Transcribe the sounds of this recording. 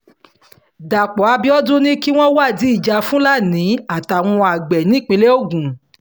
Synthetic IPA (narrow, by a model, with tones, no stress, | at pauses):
da˨k͡pɔ˨˦a˧bi˦ɔ˦dũ˦nĩ˦ki˦w̃ɔ̃˦wa˦˨di˨˦i˦˨d͡ʒa˧fũ˦la˦˨nĩ˨˦a˨ta˨w̃ɔ̃˧a˨ɡ͡bɛ˨nĩ˨˦˨k͡pẽ˨˧le˦o˦˨ɡũ˨